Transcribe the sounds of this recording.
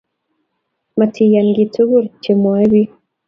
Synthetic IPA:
ma˨tʰi˨ja˨nɡi˨tu˦βu˦ɾt͡ʃe˨mwa˦βi˦

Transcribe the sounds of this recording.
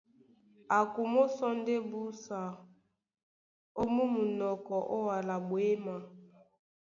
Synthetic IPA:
a˨ku˨mo˦sɔ˦n˦de˦bu˦sa˨ | o˦mu˦mu˨nɔ˨kɔ˨ʔo˦wa˨la˨bwe˦ma˨

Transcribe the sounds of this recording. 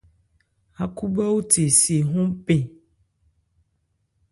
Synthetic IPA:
a˨ku˦ɡ͡ba˦wo˦te˨se˨ɦũ˦pẽ˨

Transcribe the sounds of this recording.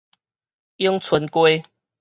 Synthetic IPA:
ji˦ŋt͡sʰwə˨˦nkwe˦

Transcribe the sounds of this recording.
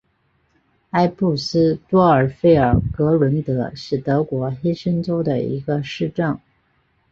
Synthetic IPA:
a˥ɪpu˥˩sɹ̩˥t̪wɔ˥ə˞˨˩fe˥˩ɪə̰˞˨˩kɤ˧˥lwə˧˥nt̪ɤ˧˥ʂɻ̩˥˩t̪ɤ˧˥kwɔ˧˥xi˥ʂə˥nʈ͡ʂo˥ʊd̪ə̰˨ḭ˧˥ɡə˧ʂɻ̩˥˧ʈ͡ʂɤ˥˩ŋ

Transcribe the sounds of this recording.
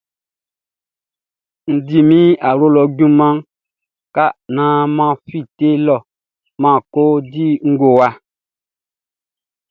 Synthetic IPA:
n̩˨di˨mĩ˦a˨ɾo˦lɔ˨ɡũ˦mã˦ŋ | ka˦nã˨˦mã˦fi˦˨te˦lɔ˦˨ | mã˦˨ko˦di˦ŋ̩˦ɡo˨wa˦

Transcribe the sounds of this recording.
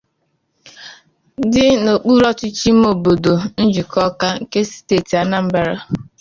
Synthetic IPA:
dɪ˦no˨k͡pu˦ɾɔ˦t͡ʃɪ˦t͡ʃi˦m̩˦o˨bo˨do˨n̩˦d͡ʒu˨kʰɔ˦ka˦ŋ̩˦˨ke˦si̥˦teː˦˨ti˨a˨na˦m̩˦ba˦ɾa˦

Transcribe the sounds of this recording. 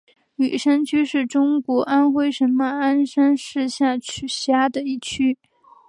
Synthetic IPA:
ny˨˩ʂa˥nt͡ɕʰy˥ʂɻ̩˥˩ʈ͡ʂʊ˥ŋkwɔ˧˥ʔa˥nxwe˥ɪʂə˧˥nmə˧a˥nʂa˥nʂɻ̩˥˧ɕja˥˩t͡ɕʰy˨˩ɕja˥d̪ə˨i˥˩t͡ɕʰy˥

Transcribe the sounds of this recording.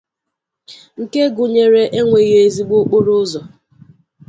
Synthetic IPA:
ŋ̩˨ke˦ɡʊ˨ɲe˨ɾe˨ʔe˦ŋʷe˨je˦e˦zi˦ɡ͡bo˦k͡po˦ɾʊ˦zɔ˨

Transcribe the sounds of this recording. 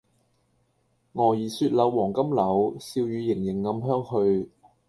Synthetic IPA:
ŋɔː˨˩jiː˨˩syː˧t̚lɐ˨˧wwɔː˨˩ŋkɐ˥mlɐ˨˧wsiː˧wjyː˨˧jɪ˨˩ŋjɪ˨˩ŋːɐ˨˧mɦœː˥ŋhɵ˧ɥ

